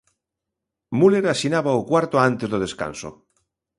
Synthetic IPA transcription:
muleɾasinaβaokwaɾt̪oant̪ezðoð̞eska̰nso̰

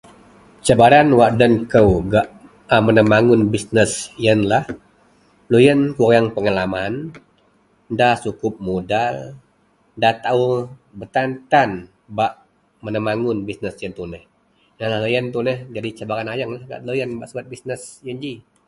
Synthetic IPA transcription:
t͡ʃabaɾanwaʔdənkəwɡaʔ | amənəmaŋʊnbisnəsjənlah | lujənkujaŋpəŋalaman | ndahsukʊp̚modal | ndat̪aubət̪ant̪an | baʔ | mənəmaŋʊnbisnəsjənt̪unəh | janlahlojənt̪unəhd͡ʒadit͡ʃabaɾanajaŋlahɡa̰ʔlojənbaʔsəbat̪̚bisnəsjənd͡ʒi

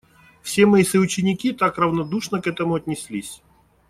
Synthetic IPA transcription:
fsʲemɐisəʊt͡ɕɪnʲɪkʲit̪akrəvnɐd̪uʂnəkɛt̪əmʊɐt̪ʲnʲɪsʲlʲisʲ

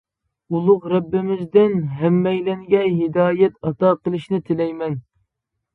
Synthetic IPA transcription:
ulˠʊqɾɛbːɪmɪzd̪ɪnɦɛmːɛjlɛŋɡʲɛɦɪd̪ɑːjɛt̪ɑt̪ɑqəlˠɨʃnɪt̪ʰɪlɛjmɛn

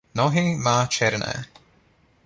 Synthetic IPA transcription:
nɔɦimaːt͡ʃʰɛɾna̰

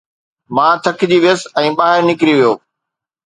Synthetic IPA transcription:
mãːt̪ʰɐkʰd͡ʑiːʋjəsɛ̃ːɓaːɦɪɾnɪkɾiʋijoː

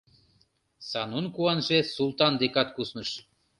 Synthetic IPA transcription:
sɑnunkuɑnʒesulˠt̪ɑnd̪ekɑt̪kusnɤʃ

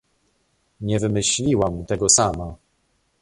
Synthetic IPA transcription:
ɲɛvɘmɘɕlʲiwamt̪ɛɡɔsama

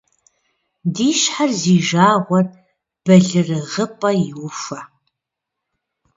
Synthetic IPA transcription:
diːʃħarziːʒaːʁʷɔr | b̥ɐɮɨrɨʁəpʼɐjɪwʊfɐ

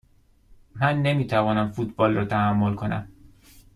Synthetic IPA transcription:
mænːe̞miːt̪ʰævɒːnæmfut̪̚ʰbɒːlrɒːt̪ʰæhæmːo̞lkʰo̞næ̰m

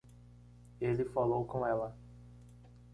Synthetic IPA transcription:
elɪfalowkõɛlɐ

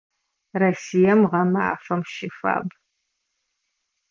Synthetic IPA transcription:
rɐsijɐmʁɐma̰fɐmʃɪfa̰ːb

